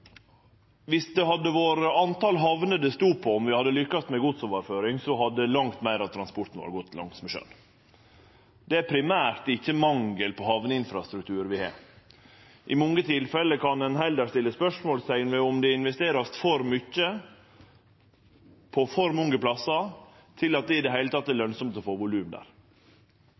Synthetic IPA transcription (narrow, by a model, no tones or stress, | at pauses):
ʋɪsd̪ɛhɑd̪ːəʋoːɾəɑnt̪ɑlɦɑʋnəd̪ɛst̪uːpʰɔɔmʋɪhɑd̪ːəlʏkːɑst̪mɛɡʊd̪sɔmʋɑɾføːɾɪŋsɔhɑd̪əəlɑŋt̪mæɪɾɑt̪ʰːɾɑnspʊʈ̪n̩ʋɑ̰ːɾɡɔt̪ːlɑ̰ŋt̪smɛʃø̰ːn | d̪̥ɛæpʰɾɪmæːɾt̪ɪçːəmɑŋɡəlpʰɔhɑʋnəɪnfɾɑst̪ɾʉk̚t̪ʰʉːɾʋɪhɑ̰ːɾ | ʔɪmɔŋːət̪ʰɪlfɛlːəkʰɑnɛnɦɛld̪əst̪ɪlːəspœʂmoːlst̪ʰɛŋnəʋɛɔmd̪ɛɪnʋɛst̪eːɾɑst̪fɔɾmʏçːə | pʰɔfɔɾmʊŋɡəplɑsɑ | t̪ʰɪlɑt̪̚d̪ɛɪd̪ɛɦæɪlət̪ɑt̪̚ːd̪ɛɭœnsɔmt̪ɔfoːʋʊlʉːmd̪æ̰ːɾ